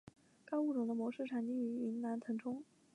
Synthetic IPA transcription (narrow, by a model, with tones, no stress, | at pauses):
kɑ˥ʊu˥˩ʈ͡ʂʊ˨˩ŋd̪ə˦mwɔ˧˥ʂɻ̩˥˩ʈ͡ʂʰa˨˩nt͡ɕi˥˩y˧˥i˧˥nna˧˥nt̪ʰɤ˧˥ŋʈ͡ʂʰʊ˥ŋ